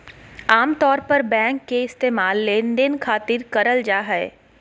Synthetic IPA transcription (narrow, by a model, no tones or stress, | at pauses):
aːmt̪ɔːɾpɐɾbɛ̃ːŋkːeɪst̪eːmaːlːenɖenkʰaːt̪ɪɾkɐɾəld͡ʒaːɦɛː